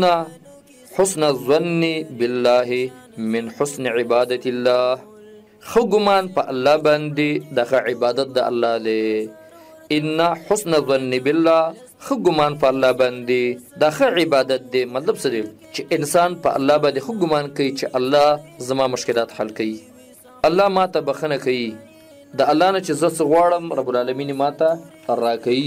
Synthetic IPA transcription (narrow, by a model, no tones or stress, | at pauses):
a | ħʊsnazwanːibɪlːaːɦimɪnħʊsniʕɪbɑːd̪at̪ɪlːaːh | xəɡʊmɑːnpəʔalːɑːbɑnd̪id̪ɑxəʕɪbɑːd̪at̪̚d̪aʔa̰lːɑːd̪e | ɪnːaħʊsnazanːibɪlːaː | xəɡʊmɑːnpɐːlːɑbɑnd̪id̪ɑxəʕɪbɑd̪at̪̚d̪emat̪labsəd̪e | t͡ʃeʔɪnsɑnpəʔa̰lːɑbɑnd̪exəɡʊmɑnkawit͡ʃeʔalːɑzamɑmʊʃkɪlɑt̪halkawi | alːɑmɑt̪abaxənakawi | d̪əalːɑnat͡ʃezəsəɣwɑɽəmɾabʊlalaminimɑt̪a | ɾɑkawi